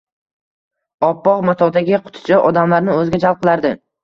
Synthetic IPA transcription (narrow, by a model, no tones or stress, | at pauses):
ɒpːɒʁmat̪ʰɒd̪aɡʲɪqʰʊ̥t̪ʰɪ̥t͡ʃʰaʔɒd̪amlaɾnɪɵzɪɡʲad͡ʒalˠp̚qʰɨlaɾd̪ɪ